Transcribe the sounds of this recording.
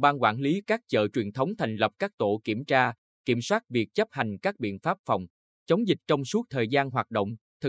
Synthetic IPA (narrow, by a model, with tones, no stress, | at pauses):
ɓaː˧nkwaː˧˩nli˨˦kaː˦˥k̚t͡ɕə̰ː˧˨t͡ɕwi˨˩ənt̪ʰə˨˦wŋ͡mt̪ʰa˨˩jŋ̟lə˨˩p̚kaː˦˥k̚t̪o˧˩ki˧˩əmt͡ɕaː˧ | ki˧˩əmswaː˦˥t̚vi˨˩ək̚t͡ɕə˦˥p̚ha˨˩jŋ̟kaː˦˥k̚ɓḭ˧˨ənfaː˦˥p̚fɔ˨˩wŋ͡m | t͡ɕə˨˦wŋ͡mzï˨˩k̟̚t͡ɕɔ˧wŋ͡msu˦˥ək̚t̪ʰəː˨˩jzaː˧nɦwaː˨˩t̚ɗo̰˧˨wŋ͡mt̪ʰɨ˨˩